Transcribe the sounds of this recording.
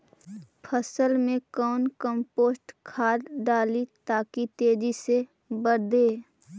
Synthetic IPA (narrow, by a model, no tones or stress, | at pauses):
pʰəsəlmẽkɔːnkəmpoːsʈkʰaːɾɖaːlit̪aːkit̪eːd͡ʒise | bəɾd̪eː